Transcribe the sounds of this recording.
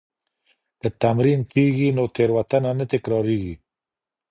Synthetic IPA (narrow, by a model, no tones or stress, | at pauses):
kət̪amɾimkiɡinot̪eɾwat̪ananət̪ɪkɾɑɾiɡi